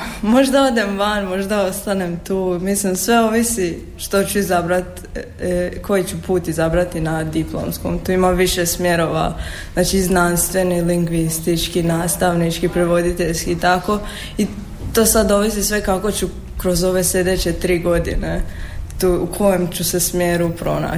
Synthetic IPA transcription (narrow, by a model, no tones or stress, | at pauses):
mo̞ʒd̪ao̞d̪e̞mʋanmo̞ʒd̪ao̞st̪anemt̪uːmislimsʋe̞o̞ʋisi | ʃt̪o̞t͡ɕuizabɾat̪ | kʰo̞jit͡ɕupuːt̪izabɾat̪inad̪iplˠo̰msko̞̰mt̪uːimaʋiʃesmje̞ɾo̞ʋa̰ | znaːt͡ʃiznanst̪ʋe̞niliŋɡʋist̪it͡ʃkinaːst̪aʋnit͡ʃkipɾeʋo̞d̪it̪eʎskit̪ako | i | t̪o̞ːsad̪o̞ʋis̬isʋe̞kako̞t͡ɕu | kɾo̞zo̞ʋe̞sʎe̞d̪et͡ɕe̞t̪ɾiːɡo̞d̪ḭnet̪uukʰo̞jemt͡ɕuse̞smjeːɾupɾo̞na̰